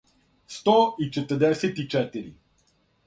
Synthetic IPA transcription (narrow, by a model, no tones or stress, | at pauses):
st̪ɔit͡ʃɛt̪əd̪ɛsʲɛt̪it͡ʃɛt̪iɾʲḭ